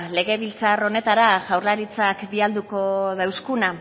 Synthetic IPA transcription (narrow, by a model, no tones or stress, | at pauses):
le̞ɣ̞e̞β̞ilt͡saro̞ne̞t̪aɾaʝawɾlaɾit͡sakbiald̪uko̞ðawskuna